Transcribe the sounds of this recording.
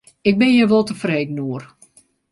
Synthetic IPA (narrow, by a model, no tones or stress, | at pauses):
ɪk̚bɪnjəʋɔlˠtəfreːdən̩uər